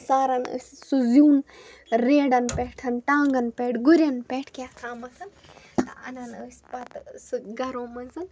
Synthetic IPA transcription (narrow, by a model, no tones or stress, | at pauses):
saːɾɐnə̰ssuzjuːnɾeːɖɐnpeʈʰɐnʈaːŋɡɐnpeːʈʰɡuɾʲjɐnpeʈʰkʲaːkʰaːmɐsɐn | t̪ɐɐnɐnəːsʲpɐt̪sɨɡɐɾoːmɐnzɨn